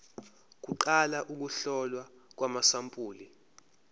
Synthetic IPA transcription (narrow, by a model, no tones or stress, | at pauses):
k̬uǃalaʔuk̬uɬɔlwak̬wamasampʼuːli